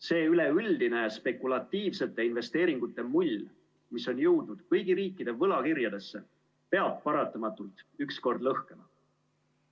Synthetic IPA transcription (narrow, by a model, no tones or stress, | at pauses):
se̞ːyle̞yld̪ine̞spe̞kˑulɑt̪ːiːvse̞t̪ːˑe̞inve̞st̪e̞ːɾiŋɡ̥ut̪ːˑe̞mulʲː | miso̞njəwd̪ud̪̥kɤjɡiɾiːkːˑid̪e̞vɤlɑkirjɑd̪̥e̞sːe̞ | pe̞ɑb̥̚pɑɾɑt̪ːˑɑmɑt̪ːˑult̪ˑyksko̞rd̪lɤhke̞mɑ